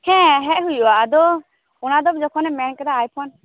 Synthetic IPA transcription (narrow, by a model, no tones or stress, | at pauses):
hɛ̃ɦɛʔɦujuad̪ɔ | ʊnad̪ɔbd͡ʒɔkʰɔnɛmɛnkɛd̪aːjpʰɔn